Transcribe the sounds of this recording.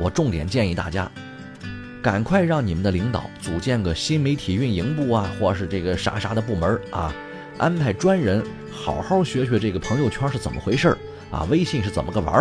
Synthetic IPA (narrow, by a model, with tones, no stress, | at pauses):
wɔ˨˩ʈ͡ʂʊ˥˩ŋt̪jɛ̰˨˩nt͡ɕjɛ˥˧ni˥˧t̪a̰˥˩t͡ɕja̰˥ | ka˨˩nkʰwa˥˧ɪɻɑ˥˩ŋni˨˩mə˦nd̪ə˧li˧˥ŋt̪ɑ̰˨˩˦ʊt͡su˨˩t͡ɕjɛ˥˩nɡə˩ɕi˥nme˧˥ɪt̪ʰi˨˩y˥˩ni˧˥ŋpu˥˩ɐ˨˩xwɔ˥˩ʂ̬ɻ̩˥˧ʈ͡ʂɤ˥˩ɡə˩ʂa̰˧˥ʂa˧˥d̪ə˧p̬u˥˩mə˧˥ʔa̰˧ | ʔa˥npʰa˥˩ɪʈ͡ʂwa˥nɻə˧˥n | xɑ˨˩ʊxɑ˥˩ʊɕɥɛ˧˥ɕɥɛ˧˥ʈ͡ʂɤ˥˩ɡə˩pʰɤ˧˥ŋjo˧ʊt͡ɕʰwa˥ʂɻ̩˥˩t͡sə˨˩mə̰˦˧xwe˧˥ɪʂə˞˥˩ | ʔɐ̰˧ʋe˥ɪɕi˥˧ŋʂɻ̩˥˩t͡sə˨˩nmə˦ə˥˩wə̰˞˧˥